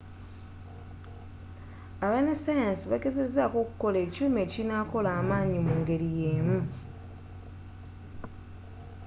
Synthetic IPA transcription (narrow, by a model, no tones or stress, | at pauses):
aβenasajansiβaɡe̞ze̞zakoku̥ko̞le̞ːcuːme̞ːcinako̞laːmaːɲimuŋɡe̞ɾijeːmu